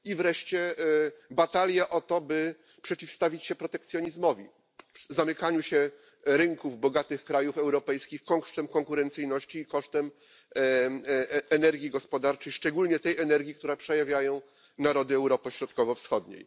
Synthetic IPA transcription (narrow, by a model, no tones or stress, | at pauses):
ivɾɛʂt͡ɕɛ | bat̪alʲjaʔɔt̪ɔbɘ | pʂɛt͡ɕifst̪avʲit͡ɕɕɛpɾɔt̪ɛkt̪sjɔɲizmɔvʲi | zamɘkaɲuɕɛ | ɾɘŋkuvbɔɡat̪ɘxkɾajufɛwɾɔpɛjskʲixkɔŋʂt̪ɛmkɔŋkuɾɛnt̪sɘjnɔɕt͡ɕiːkɔʂt̪ɛm | ɛnɛɾɡʲjiɡɔspɔd̪aɾt͡ʂɛjʂt͡ʂɛɡulɲɛt̪ɛjɛnɛɾɡʲikt̪uɾɛpʂɛjavʲjajɔ̃w̃ | naɾɔd̪ɘɛwɾɔpɛɕɾɔt̪kɔvɔfsxɔd̪ɲḛj